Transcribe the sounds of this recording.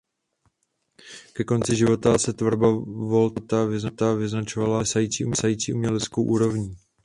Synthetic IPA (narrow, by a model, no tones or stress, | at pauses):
kɛko̞nt͡sɪʒɪvo̞t̪asɛt̪vr̩bavo̞lt̪t̪avɪznat̪avɪznat͡ʃo̞valasajiːt͡siːʔusajiːt͡siːumɲɛlɛt͡sko̞wʔuːɾo̞vɲi